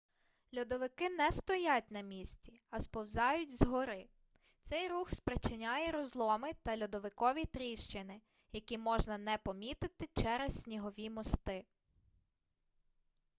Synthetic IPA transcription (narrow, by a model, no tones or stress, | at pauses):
lʲud̪ɔʋɪkɪnɛst̪ɔjatʲnɐmʲisʲt͡sʲiɐspɔwzɑjʊtʲzɦɔɾɪ | t̪sɛjruxspɾɪt͡ʃɪnʲajɛɾɔzlˠɔmɪt̪ɐlʲud̪ɔʋɪkɔʋʲit̪ɾʲiʃt͡ʃɪnɪ | jɐkʲimɔʒnɐnɛpɔmʲit̪ɪt̪ɪt͡ʃɛɾessʲnʲiɦɔʋʲimɔst̪ɪ